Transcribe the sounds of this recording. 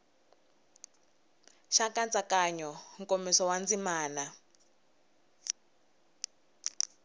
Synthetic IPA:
ʃakant͡sʼakaɲɔŋ̩komisɔwand͡zimaːna

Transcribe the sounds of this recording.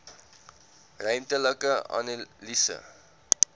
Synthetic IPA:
rəjmtələkəɐ̰nlisə̰

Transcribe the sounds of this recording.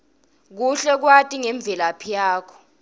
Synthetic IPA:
k̬uɬɛk̬watʼiŋɛɱb̪vʱɛlapʰijaːkʰɔ̥

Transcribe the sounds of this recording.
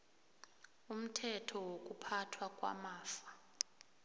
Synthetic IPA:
um̩tʰɛtʰɔwok̬ʼupʰatʰwakʼwa̰maːfḁ

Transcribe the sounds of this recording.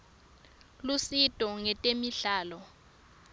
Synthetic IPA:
lusitʼɔŋɛtʼemiɬaːlɔ

